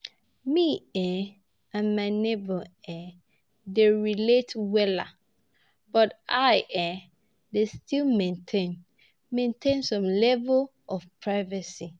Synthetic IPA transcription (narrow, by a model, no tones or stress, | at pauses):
miɛ̃ | ãnmãɪnebɔɛ̃ | deɹiletwɛla̰ | b̥ɔtaɪʔɛ̃ | destʰilmɛ̃ntʰẽn | mẽntʰẽnsɔ̃mlɛvəl | ʔɔfpʰɹaɪvəsi